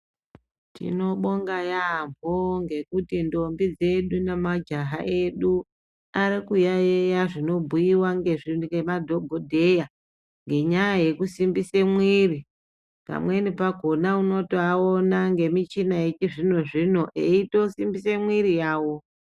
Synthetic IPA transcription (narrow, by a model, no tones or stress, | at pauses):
tḭno̞ɓo̞ŋɡajamboŋɡe̞kutindo̞mbid͡ze̞ɗunemad͡ʒaɦaʔe̞ɗu | aɾikujajejaʐino̞bʱujiwaŋɡe̞ʐinɡemadʱoɡʱodʱe̞ja | ŋɡe̞ɲajaje̞kusimbise̞mwiri | pa̰mwe̞nipaɡʱo̞nauno̞toaonaŋɡe̞mit͡ʃinaet͡ʃiʐino̞ʐino̞ʔeito̞simbisemwirijaːwo̞